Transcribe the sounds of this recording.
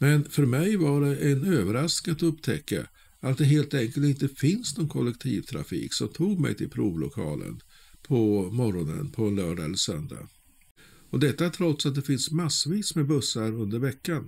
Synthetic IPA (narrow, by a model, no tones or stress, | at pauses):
mɛnfœɾmɛjvaɖɛʔɛnøːvəɾasknɪŋat̪ɵpːt̪ʰɛkːa̰ | ʔat̪̚d̪ɛɦeːlt̪ɛŋkəlt̪ɪnt̪əfɪnsnɔnkʰɔlːɛk̚t̪ʰḭːvt̪ʰɾa̰fḭːksɔmt̪ʰuːɡmɛ̰jt̪ʰɪlpʰɾuːvlʊ̰kʰɑ̰ːlə̰n | pʰɔmɔɾɔnə̰npʰɔɛnlœːɖaɛ̰lːəɾʂœ̰nd̪a̰ | ɔd̪ɛt̪ːaʈʰɾɔt̪sat̪̚d̪ɛfɪnsmasːviːsmɛbɵsːaɾɵnd̪əɾvɛkːan